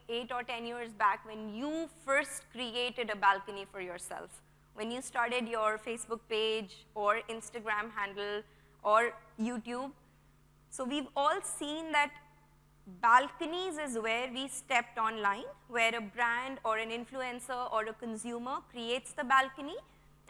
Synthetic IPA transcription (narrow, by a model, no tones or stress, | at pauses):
eːʈɔːɾʈɛ̃njiəɾzbækʋɛ̃njuːfəɾsʈkɾieːʈɪɖəbælkənifɔɾjɔːɾsɛ̰lf | ʋɛ̃njuːsʈaːɾʈeɖjɔːɾfeːsbʊk̚peːd͡ʒɔːɾɪ̃nsʈəɡɾæ̃ːmɦæ̃ɳɖəl̩ | ʔɔːɾjuːʈjuːb̚ | soːʋiːʋɔːlsĩːnd̪æʈ | bælkənizɪzʋeːɾʋiːsʈɛp̚ʈɔ̃nlãɪ̃nʋeːɾəbɾæ̃ɳɖɔːɾæ̃nɪ̃nfluɛ̃nsəɾʔɔːɾəkə̃nsjuːməkɾieːʈsd̪əbælkəni